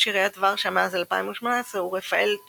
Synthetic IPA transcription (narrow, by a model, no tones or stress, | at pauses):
ʃiʁejat̪vaʁʃamazalpaimuʃmonaesʁeuʁefael